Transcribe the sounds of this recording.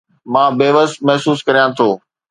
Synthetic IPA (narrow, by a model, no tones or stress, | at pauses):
mãːbeːʋəsmɐɦsuːskɐɾijãt̪ʰoː